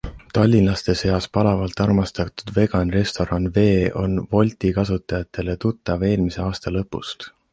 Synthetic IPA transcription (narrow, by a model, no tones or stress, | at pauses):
t̪ɑlʲːinlɑst̪e̞se̞jɑspɑlɑvɑlt̪ːˑɑrmɑst̪ɑt̪ud̪̥ve̞ɡ̥ɑnre̞st̪o̞ɾɑnve̞ːʔo̞nvo̞lʲt̪ikɑsut̪ːˑɑjɑt̪ːˑe̞le̞t̪ut̪ːˑɑve̞ːlmise̞ɑːst̪ɑlɤ̞pːˑṵst̪